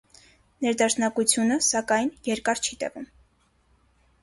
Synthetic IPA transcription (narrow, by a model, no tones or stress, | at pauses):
nɛɾd̪ɑʃnɑkut͡sʰjunəsɑkɑjnjɛɾkɑɾt͡ʃʰit̪ɛ̰vum